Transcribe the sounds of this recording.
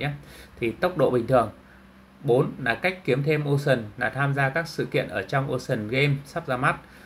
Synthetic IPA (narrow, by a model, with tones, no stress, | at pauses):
a˨˦t̪ʰi˨˩t̪ə˦˥wk͡p̚ɗo̰˧˨ɓï˨˩ŋ̟t̪ʰɨ˨˩əŋ | ɓo˨˦nlaː˨˩ka˦˥jk̟̚ki˨˦əmt̪ʰe˧mʔo˧sə˨˩nlaː˨˩t̪ʰaː˧mzaː˧kaː˦˥k̚sɨ̰˧˨kḭ˧˨ənʔəː˧˩t͡ɕɔ˧wŋ͡mʔo˧sə˨˩nɣe˧msa˦˥p̚zaː˧ma˦˥t̚